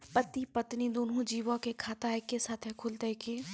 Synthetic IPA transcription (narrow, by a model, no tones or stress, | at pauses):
pət̪ipət̪nid̪oːnõd͡ʒiːʋõkekʰaːt̪aekːesaːt̪ʰɦɛkʰʊlt̪eɦkeː